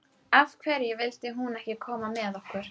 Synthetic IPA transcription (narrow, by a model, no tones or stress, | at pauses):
avkʰvɛːɾjɛvɪlt̪ɪɦunɛhcɪkʰɔːmamɛðɔhkʏɾ̥